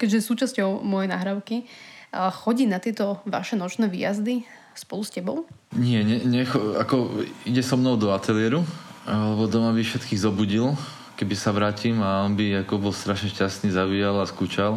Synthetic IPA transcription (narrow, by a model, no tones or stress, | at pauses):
kɛɟʒɛsuːt͡ʃascɔʊmɔjɛna̰ːɦɾaʊki | xɔɟiːnat̪ɪɛt̪ɔʋa̰ʃɛnɔt͡ʃnɛːʋḭːja̰zd̪i | spɔluscɛbɔʊ | ɲɪɛɲɛɲɛxɔa̰kɔiɟɛsɔmnɔʊd̪ɔat̪ɛlɪɛɾualɛbɔd̪ɔmabifʃɛt̪kiːɣzɔbuɟil | kɛbisaʋɾaːcimaɔnbiakɔbɔlst̪ɾaʃɲɛʃcast̪niːzabiːjalaskuːt͡ʃal